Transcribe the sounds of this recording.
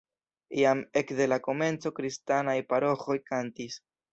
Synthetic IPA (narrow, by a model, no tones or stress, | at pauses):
ijame̞kde̞lako̞me̞nt͡so̞kɾistanajpaɾo̞xo̞jkantis